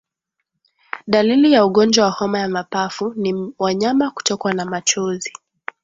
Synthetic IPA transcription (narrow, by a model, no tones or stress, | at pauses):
ɗalilijauɠɔnd͡ʒwawahɔmajamapafuniwaɲamaku̥tɔkwanamat͡ʃɔzi